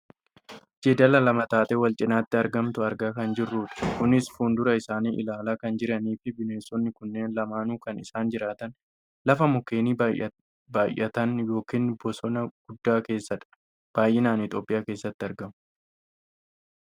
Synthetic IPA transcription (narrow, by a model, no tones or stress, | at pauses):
d͡ʒed̪ɐlɐlɐmɐt̪aːt̪ʼɛwɐlt͡ʃʼɪnaːt̪ːɪɐɾɡɐmt̪ʊɐɾɡaːkɐnd͡ʒɪrːuːt̪ɪ̥kʊnɪsfuːnd̪ʊɾɐɪsaːniːʔɪ̰laːlaːkɐnd͡ʒɪɾɐniːfɪbɪneːsːɔnːɪkʊnːe̞ːnlɐmaːnuːkɐnɪsaːnd͡ʒɪɾaːt̪ɐn | lɐfɐmʊke̞ːniː | baːjʔːɐt̪ɐnjo̞ːkiːnbɔsɔnɐɡ̥ʊd̪ːaːkeːsːɐᶑɐ̥ | b̥aːjʔɪnaːnɪt̪ʼo̞ːpʼːɪjaːke̞ːsːɐt̪ːɪɐɾɡɐmʊ